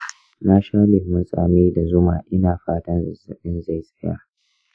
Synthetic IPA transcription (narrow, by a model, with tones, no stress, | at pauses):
naː˦ʃaː˦lɪ˨hmʊ˦nsʼa̰ː˨meː˦da˨zʊ˦maː˨ʔɪ˦naː˨ɸaː˦tɐ˦nzzɐ˨ɗɪ˦nza˦˨jsʼɐ˦ja̰ː˦